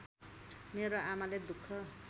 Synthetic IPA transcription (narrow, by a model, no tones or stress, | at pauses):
meɾoamaled̪ukʰːʌ